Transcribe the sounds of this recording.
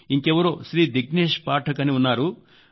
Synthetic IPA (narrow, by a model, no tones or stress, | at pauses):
iŋkɛʋɐɾoːʃɾiːd̪iɡneːʂpaːʈʰɐkɐniunːaːɾu